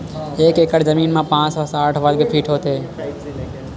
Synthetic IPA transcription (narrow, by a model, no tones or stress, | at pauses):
eːkekəɽd͡ʒəmiːnmẽpãːt͡ʃʋəsaːʈʰʋəlkepʰiːʈʰɦoːt̪e